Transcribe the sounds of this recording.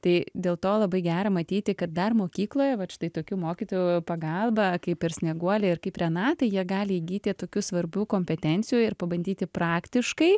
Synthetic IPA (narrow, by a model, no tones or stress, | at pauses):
t̪ɐɪd̪ʲeːlˠt̪oːlˠɐbɐɪɡʲæːɾɐmɐt̪ʲiːt̪ʲɪkɐt̪̚d̪ɐrmoːkʲiːklˠoːjɛʋɐt͡ʃʲɪ̥t̪ɐɪt̪oːkʲuːmoːkʲiːt̪oːjʊpɐɡɐlˠbɐkɐɪpɪɾsʲnʲɛɡuɔlʲɛɪrkɐɪpɾʲɛnɑt̪ɐɪjiɛɡɑːlʲɪiɡʲiːt̪ʲɪt̪oːkʲuːsʋɐɾʲbʲuːkoːmʲpʲɛt̪ʲɛnʲt͡s̪ʲɪjuːɪrpɐbɐnʲd̪ʲiːt̪ʲɪprɑːkt̪ʲɪʃkɐɪ